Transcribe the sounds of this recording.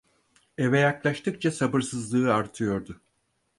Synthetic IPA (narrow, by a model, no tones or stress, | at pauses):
evɛjaklˠaʃt̪ʰɯk̚t͡ʃʰasabɯɾsɯzlˠɯːaɾt̪ʰɯjo̞ɾd̪ʊ